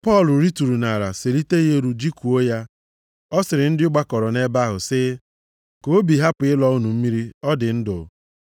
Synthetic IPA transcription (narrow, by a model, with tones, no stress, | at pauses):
pɔ˦˨lʊ˨ɾi˦tu˨ɾu˨na˨ɾa˨se˨li˦te˦je˦ɾu˦d͡ʒi˦ku˨o˦ja˦ | ɔ˦sɪ˨ɾɪ˨n̩˦dɪ˦ʊ˦ɡ͡ba˦kɔ˨ɾɔ˨ne˦ba˦ɦʊ˨sɪ˦ | ko˨o˦bi˨ɦa˦pʊ˨ɪ˦lɔ˦ʊ˦nu˨m̩˦mi˦ɾi˦ɔ˦dɪ˨n̩˦dʊ̰˨